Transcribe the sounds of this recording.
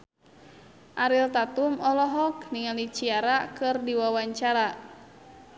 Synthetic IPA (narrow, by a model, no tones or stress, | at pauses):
ʔaɾilt̪at̪umɔlɔɦɔkniŋalit͡ʃiaɾakɨrdiwawaɲt͡ʃaɾa